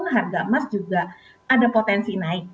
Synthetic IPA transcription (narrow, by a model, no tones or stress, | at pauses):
ŋɦarɡamasd͡ʒuɡa | adapot̪ɛnsinaɪk̚